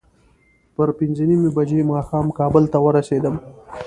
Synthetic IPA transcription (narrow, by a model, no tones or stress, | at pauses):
pəɾpɪnzənimebad͡ʒemɑxɑːmkɑbəlt̪awəɾased̪əm